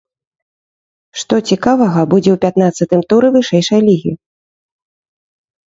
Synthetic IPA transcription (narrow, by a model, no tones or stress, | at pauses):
ʂt̪ɔt͡sʲikavɐɣɐbud͡zʲɛwpʲat̪nat̪sːɐt̪ɨmt̪uɾɨvɨʂɛjʂɐjlʲiɣʲḭ